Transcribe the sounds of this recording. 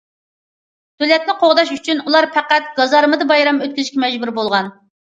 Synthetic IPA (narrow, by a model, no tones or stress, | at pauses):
t̪ʰølɛt̪̚nɪqʰoʁd̪ɑʃyt͡ʃʰynulˠɑɾpʰæqæt̪̚ɡ̥ɑzɑɾmɨd̪ɨbɑjɾɑmøt̪̚kʲyzɨʃkʲɛmɛd͡ʒbuɾbolˠʁɑn